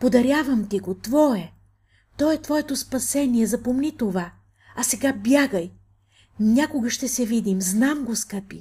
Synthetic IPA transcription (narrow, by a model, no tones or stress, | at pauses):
pod̪ɐɾʲjavɐmt̪iɡot̪vɔɛ | t̪ɔɛt̪vɔjɛt̪ospɐsɛniɛzɐpomnit̪ova | ɐsɛɡabjaɡəj | nʲakoɡɐʃt̪ɛsɛvid̪imznamɡoskəpi